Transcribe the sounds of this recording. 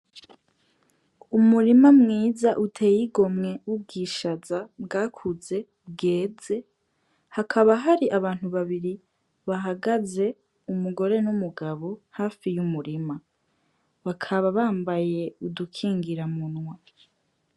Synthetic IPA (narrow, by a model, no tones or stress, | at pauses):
umuɾimamŋiːzaʔutʰe̞ːjiɡo̞mŋe̞ub̚ɡiːʃazabɡaːkʰuze̞ | bɡe̞ːze̞ | hakʰaβaɦaɾiʔaβaːn̥huβaβiɾi | βaɦaɡaze̞ | umuɡo̞ɾe̞numuɡaβo̞haːfijumuɾima | βakʰaβaβaːmbaje̞udukʰiːŋɡiɾamunŋwa